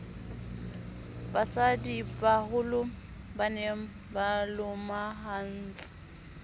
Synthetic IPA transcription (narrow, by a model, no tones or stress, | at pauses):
basadibahʊlʊ | banem̩ | balʊmaɦan̩ːt͡sʼɪ̥